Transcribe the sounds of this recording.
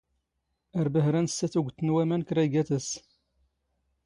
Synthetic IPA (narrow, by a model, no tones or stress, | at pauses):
æɾbəɦɾænsːæθuɡʷt̪ːənwæmænkɾæɡæθəs